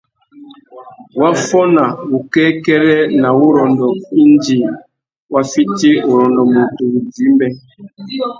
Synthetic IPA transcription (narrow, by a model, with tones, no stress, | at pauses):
wa˦fɔ˦na˨u˨kɛ˦kɛ˦ɾɛ˦na˨u˦ɾɔ˨ndɔ˨i˦nd͡ʒi˨ | wa˦fi˦ti˦o˨ɾɔ˨ndɔ˨mo˨tu˨u˨di˨˦mbɛ˦